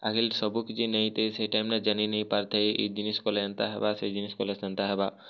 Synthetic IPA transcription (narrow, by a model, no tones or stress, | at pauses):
akʰilʃɔbukid͡ʑinej̃t̪eʃejʈajmnad͡ʒaninejpaɾt̪ʰejʔḛd͡ʑiniskoleant̪aɦɛ̰basejd͡ʒiniʃkolesant̪aɦɛba